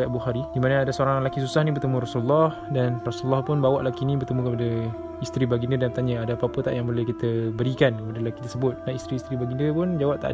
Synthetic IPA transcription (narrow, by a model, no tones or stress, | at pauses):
abuxaɾidimanəadasoɾaŋlakisusahnibərt̪əmũrasuləlːɔh | danrasulːɔhpʊnbawaʔlakinibərt̪əmũkəpada | ist̪ɾibaɡindiədant̪aɲaadaapəapət̪a̰ʔjaŋbolɛhkit̪əbəɾikankəpadalaki̥t̪ərsəbʊt̪̚naist̪ɾiːst̪ɾibaɡindəpʊnd͡ʒawap̚t̪a̰ʔ